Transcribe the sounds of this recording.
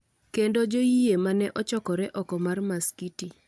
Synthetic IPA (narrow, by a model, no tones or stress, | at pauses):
kendod͡ʒojiemanɛʔɔt͡ʃɔkɔɾɛʔɔkɔmarmaskiti